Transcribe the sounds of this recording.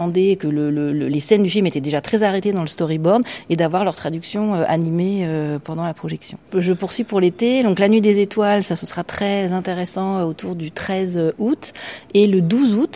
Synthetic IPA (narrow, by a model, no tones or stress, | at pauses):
ɑ̃d̪ekələlələlesɛnd̪yfilmet̪ɛd̪eʒat̪χɛzaʁet̪ed̪ɑ̃ləst̪ɔʁibɔʁd̪ed̪avwaʁlœʁt̪χad̪yksjɔ̃øʔa̰nimeøpɑ̃d̪ɑ̃lapχɔʒɛksjɔ̃ʒəpuʁsɥipuʁlet̪ed̪ɔ̃klanɥid̪ezet̪walsasəsəʁat̪χɛzɛ̃t̪eʁɛsɑ̃øot̪ʰuʁd̪yt̪χɛzøut̪eləd̪uzut̪